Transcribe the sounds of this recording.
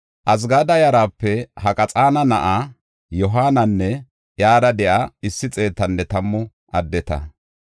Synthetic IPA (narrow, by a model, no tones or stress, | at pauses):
ʔɐs̬ɡaːd̪ɐjɐɾaːpːɛhɐkʼɐt͡sʼaːnɐnɐʔa | jɔɦaːnɐnːɛ | jaːdɐd̪ɛʔɐɪsːɪt͡sʼe̞ːt̪ːɐnːɛt̪ɐmːʊ | ʔɐd̪ːɛt̪ɐ̰